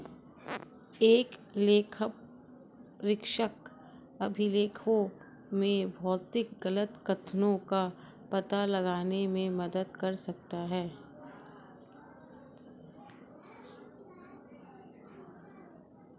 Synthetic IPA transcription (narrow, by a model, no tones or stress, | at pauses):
eːkleːkʰəp | ɾɪkʃək | ɐbʱɪleːkʰõ | mẽbʱɔːt̪ɪkɡɐlət̪kɐt̪ʰnõka | pɐt̪alɐɡaːnemẽmɐd̪əd̪̚kɐɾsɐk̚t̪aɦɛː